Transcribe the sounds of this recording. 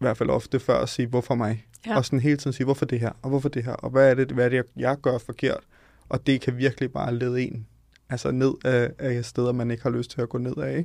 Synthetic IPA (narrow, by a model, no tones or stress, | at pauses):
ʋæɐd̥fæl̰ʔɒ̽fd̥əfɶɐ̰ɒsiːʋɒfɒ̽mɑ̈ɪ | ɒ̽sɒnɦe̝ːlt͡sʰið̩ˠsiːʋɒfɒd̥e̝ɦæ̰ɐ̰ɒ̽ʋɒfɒd̥e̝ɦæ̰ɐ̰ʔɒ̽ʋæːɐɾ̥eʋæɐɾ̥ejɑ̈ɪɡ̥ɶɐfɒ̽kʰe̝ɐ̰d̥ | ʔɒ̽d̥e̝kʰæʋiɐɡ̥əlib̥ɑ̈ːleːð̞ˠe̝̰n | ælsəne̝ð̞̰ˠææe̥sd̥eð̞ˠɐmæne̝ɡ̥hɑ̈løsd̥̚t͡sʰe̝læɡ̥ɔ̰ːne̝ð̞̰ˠæeɡ̥